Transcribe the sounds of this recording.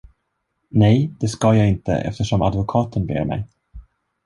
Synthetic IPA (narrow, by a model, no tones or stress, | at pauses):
nɛjd̪̥ɛskɑjɑːɪnt̪ə̰ʔɛ̰ft̪əʂɔma̰d̪vʊkʰɑːt̪ʰənbḛːɾmɛ̰j